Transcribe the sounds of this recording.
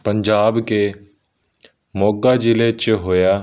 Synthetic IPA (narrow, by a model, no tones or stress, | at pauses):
pəɲd͡ʒaːbke | moːɡad͡ʒɪlet͡ʃɦoːjaː